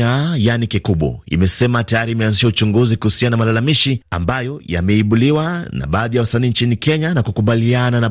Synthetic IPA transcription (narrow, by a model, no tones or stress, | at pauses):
ajanikikuɓwɔ̰ḭmɛsɛmatajaɾiːmɛanziʃaut͡ʃuŋɡuzikuhusianaamalalamiʃia̰mbajɔja̰mɛiɓuliwana̰ɓaːðijawasaniːɲt͡ʃinikɛɲanakukuɓalianana